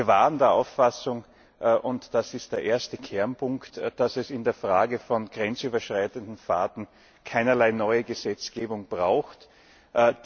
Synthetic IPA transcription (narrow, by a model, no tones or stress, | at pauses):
ɐvaːʁəndeːɐʔa̰ʊfːasʊŋ | ʔʔʊntd̥asɪst̚d̥eːɐʔeːɐstəkʰɛɐnpʰʊŋktd̥asɛsɪndeːɐfʁ̥aːɡəfɔnɡ̥ʁɛnt͡syːbɐʃʁ̥aɪtəndn̩faːtn̩ | kʰaɪnɐlaɪnɔʏəɡəzɛt͡sɡ̥eːbʊŋb̥ʁaʊxt | ʔ